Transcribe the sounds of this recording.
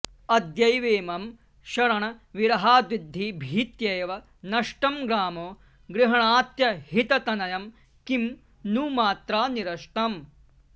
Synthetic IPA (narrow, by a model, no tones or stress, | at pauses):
ɐd̪jɐjʋeːmɐm | ʃɐɾɐɳɐʋiɾɐɦaːd̪ʋid̪ʱːibʱiːt̪jɐjɐʋɐ | nɐʂʈɐmɡɾaːmoː | ɡɾɪɦɐɳaːt̪jɐhit̪ɐt̪ɐnɐjɐm | kim | nuːmaːt̪ɾaːniɾɐʂʈɐm